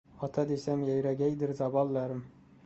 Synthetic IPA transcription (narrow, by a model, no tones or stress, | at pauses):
ɒt̪ʰad̪esamjajɾaɡʲajd̪ɪɾzabɒlˠːaɾɪm